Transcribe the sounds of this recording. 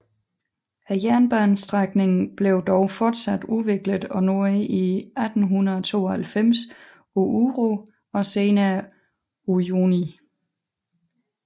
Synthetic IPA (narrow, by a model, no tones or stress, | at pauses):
æjæɐnb̥ænsd̥ʁaɡ̥ne̝ŋn̩b̥leʊd̥ɒʊfɒːd̥sæd̥uʋe̝ɡ̥ləð̩ˠɒ̽no̝ɐ̰ʔiæd̥n̩ɦunɐðˠɒt͡sʰo̝̰ːɒhælfem̰s | oʔuʁo | ɒ̽se̝ːnæ | ujuni